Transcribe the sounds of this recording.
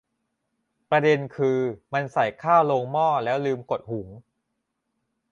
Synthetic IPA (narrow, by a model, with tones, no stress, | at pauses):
pɾa˧de˧nkʰɯː˧ma˧nsa˨˩jkʰaː˥˩wloː˧ŋmɔː˥˩lɛː˦˥wlɯː˧mko˨˩t̪̚hu˩˦ŋ